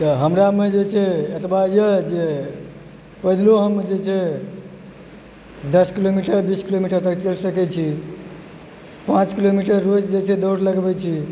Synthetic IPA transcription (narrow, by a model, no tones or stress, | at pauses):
t̪əɦəmɾamed͡ʒet͡ʃʰɛət̪bajəd͡ʒe | pəɦd̪loɦəmd͡ʒet͡ʃʰɛ | d̪əskilomiʈəɾbiskilomiʈəɾt̪əkt͡ʃelsəkɛt͡ʃʰi | pãt͡ʃkilomiʈəɾːod͡ʒd͡ʒet͡ʃʰɛd̪oɾləɡbɛt͡ʃʰi